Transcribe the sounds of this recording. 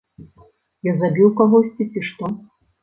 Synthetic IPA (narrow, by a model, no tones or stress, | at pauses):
jazabʲiwkaɣɔsʲt͡sʲit͡sʲiʂt̪ɔ